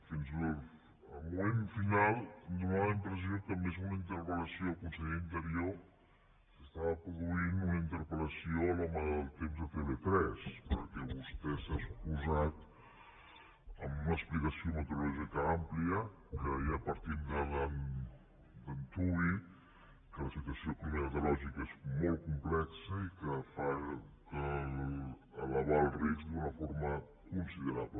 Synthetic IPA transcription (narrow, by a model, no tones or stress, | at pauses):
finzə | əlmumenfinalˠd̪unaβimpɾəz̬iokəmezunəint̪əɾpələsioəlkunsɛʎint̪əɾio | səst̪aβəpɾuðuinunəint̪əɾpələsioəlɔməəlˠt̪emzðət̪eβet̪ɾɛspəɾkɛβust̪ɛsaspuzat̪ | əmunəsplikəsiomət̪uɾulɔʒikəampliə | kəiapəɾt̪imd̪ələn | d̪ənt̪ui | kələsit̪wəsioəkuɾumemət̪ulɔʒikezmol̚ˠkumplɛksəikəfa | kəl | əlaβalˠrizd̪unəfoɾmə | kunsiðəɾaβlə